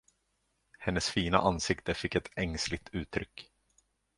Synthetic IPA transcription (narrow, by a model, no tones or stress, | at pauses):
hɛnːəsfiːna̰ʔansɪkt̪əfɪkːɛt̪ɛŋslɪɡ̚t̪ʰʉ̟ːt̪ʰɾʏkː